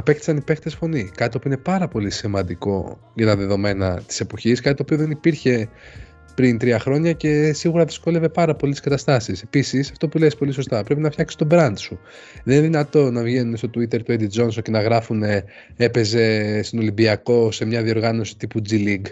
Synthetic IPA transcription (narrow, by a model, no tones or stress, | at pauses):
ɐpe̞kt̪i̥sɐnipekt̪esfo̞nikɐt̪t̪opuine̞pɐɾɐpo̞lisimɐnd̪iko̞ | ʝɐt̪ɐðe̞ðo̞me̞nɐt̪i̥se̞po̞çiskɐt̪it̪opioðenipiɾçe̞ | pɾint̪ɾiɐxɾo̞ɲɐce̞siɣuɾɐðisko̞le̞ve̞pɐɾɐpolit̪si̥skɐt̪ɐst̪ɐsise̞pisisɐft̪o̞pule̞ispo̞liso̞st̪ɐpɾe̞pinɐfçɐksi̥st̪obɾɐnd̪su | enineðinɐt̪o̞nɐvʝe̞nune̞st̪ot̪uit̪e̞ɾt̪ued̪id͡zo̞nso̞nce̞nɐɣɾɐfune̞ | epe̞ze̞st̪ono̞limbiɐko̞se̞mɲɐðio̞ɾɣɐno̞si̥t̪ipud͡ziliɡ